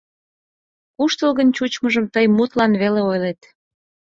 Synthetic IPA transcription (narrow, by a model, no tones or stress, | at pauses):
kuʃt̪əlɣənt͡ɕut͡ɕməʒəmt̪əjmut̪lɑnβeleojlet̪